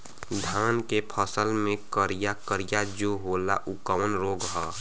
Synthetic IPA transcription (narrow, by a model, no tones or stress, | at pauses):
d̪ʱaːnkepʰəsəlmẽkəɾijakəɾijad͡ʒoɦoːla̰ʔukəmənɾoːɡɦɔː